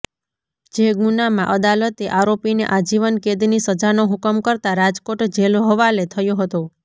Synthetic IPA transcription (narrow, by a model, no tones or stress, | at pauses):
d͡ʒeɡunamãʔəd̪alət̪eʔaɾopinḛʔad͡ʒiʋənked̪nisəd͡ʒanoɦukəmkəɾt̪aɾad͡ʒkoʈd͡ʒeloɦəʋalet̪ʰəjoɦət̪o